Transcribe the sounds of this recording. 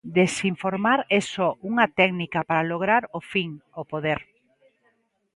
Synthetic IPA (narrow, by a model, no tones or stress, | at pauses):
d̪esiɱfoɾmaɾɛsɔʔuŋat̪ɛɡnikapaɾaloɣ̞ɾaɾofiŋopoðeɾ